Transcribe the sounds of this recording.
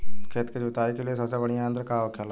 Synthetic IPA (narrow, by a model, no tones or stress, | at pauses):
kʰeːt̪ked͡ʒʊt̪aːikeliesəsãːbəɽɪjãːənd̪əɾkaːokʰːjaːla